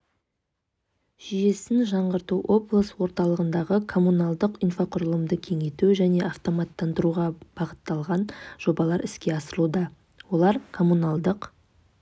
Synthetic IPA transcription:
ʒ̥ije̞sɪnʒɑɴʁəɾt̪uʔo̞blˠəswo̞ɾt̪ɑlˠəʁənd̪ɑʁəkʰo̞munɑlˠd̪əqijnfaqʰʊɾəlˠəmd̪əkʲʰe̞ŋet̪uʒæne̞ɑft̪o̞mɑt̪ːɑnd̪əɾuʁɑb̥ɑʁət̪ːɑlˠʁɑnʒ̥o̞bɑlˠɑɾɪskʲe̞ɑsəɾəlˠud̪ɑ | wo̞lˠɑɾkʰo̞munalˠd̪əq

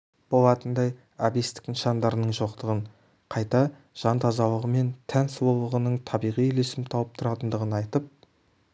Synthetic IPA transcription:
b̥o̞lˠɑt̪ənd̪ɑj | ɑbist̪ɪ̥knʃɑnd̪ɑɾənəɴʒo̞qt̪əʁəɴ | qʰɑjt̪ɑ | ʒ̥ɑnt̪ʰɑzɑlˠəʁəme̞nt̪ʰænswolˠəʁənəɴt̪ʰɑbijʁijle̞sɪmt̪ʰɑwəp̚t̪ʰʊɾɑt̪ənd̪əʁənɑjt̪əp̚

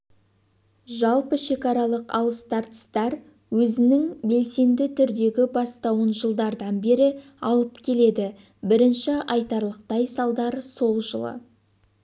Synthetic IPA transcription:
ʒɑlˠpəʃe̞kɑɾɑlˠəqɑ̰lˠəst̪ɑɾt̪ə̥st̪ɑɾ | wɵzɪnɪŋbe̞lse̞nd̪ɪt̪ʰʏɾd̪e̞ɡʲɪbɑst̪ɑwənʒəlˠd̪ɑɾd̪ɑnbe̞ɾɪ | ɑlˠəp̚kʲʰe̞le̞d̪ɪ | bɪɾɪnʃɪɑjt̪ɑɾlˠəqt̪ɑjsɑlˠd̪ɑɾso̞lˠʒəlˠə̰

